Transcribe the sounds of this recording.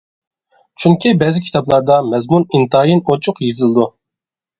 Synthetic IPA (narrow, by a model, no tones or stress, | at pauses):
t͡ʃʰyŋkʲʰibɛzɪkʰʲi̥t̪ɑblˠɑɾd̪ɑmɛzmunint̪ɑjinot͡ʃʰʊqjizɨlˠɨd̪u